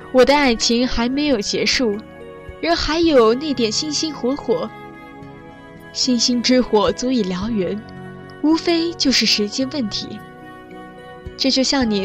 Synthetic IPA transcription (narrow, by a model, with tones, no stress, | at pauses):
wɔ˨˩d̪ə˦a˨˩ɪt͡ɕʰi˧˥ŋxa˧˥ɪme˧˥ɪjo˨˩ʊt͡ɕjɛ˧˥ʂu˥˩ | ɻə˧˥xa˧˥ɪjo˨˩ʊna˥˩ɪt̪jɛ˨˩nɕi˥˧nɕi˥nxwɔ˧˥xwɔ˨˩˦ | ɕi˥˧nɕi˥nʈ͡ʂɻ̩˥xwɔ˨˩˦t͡su˧˥i˨˩ljɑ˧˥ʊɥɛ˧˥n | u˥fe˥ɪt͡ɕjo˥˧ʊʂɻ̩˥˩ʂɻ̩˧˥t͡ɕjɛ˥nwə˥˩nt̪ʰḭ˧˥ | ʈ͡ʂɤ˥˧t͡ɕjo˥˧ʊɕjɑ˥˩ŋni˨˩